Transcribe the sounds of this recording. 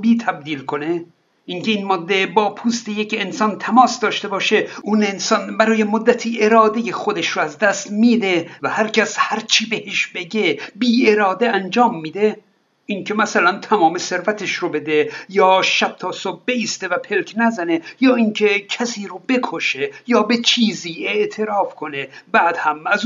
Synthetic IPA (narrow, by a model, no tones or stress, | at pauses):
biːt̪ʰæb̚d̪iːlkʰo̞ne | iŋkʲe̞inmɒːd̪ːebɒːpʰuːst̪ejecensɒːnt̪ʰæmɒːsd̪ɒːʃt̪e̞bɒːʃeunensɒːnbæɾɒːje̞mod̪ːæt̪ʰiːʔeɾɒːd̪e̞jexod̪eʃroæzd̪æst̪miːd̪e̞væhæɾcʰæshæɾt͡ʃʰiːbeheʃbe̞ɟe̞biːe̞ɾɒːd̪e̞ænd͡ʒɒːmːiːd̪e̞ | iŋcʰe̞mæsælænt̪ʰæmɒːme̞se̞ɾvæt̪ʰeʃrobe̞d̪e̞jɒːʃæb̥̚t̪ʰɒːsob̚be̞iːst̪e̞væpʰelkʰnæzænejɒːiŋkʰe̞cʰæsiːɾobe̞kʰo̞ʃe̞jɒːbe̞t͡ʃʰiːziːe̞ʔt̪ʰe̞ɾɒːfkʰo̞ne̞bæːd̪̥hæmæz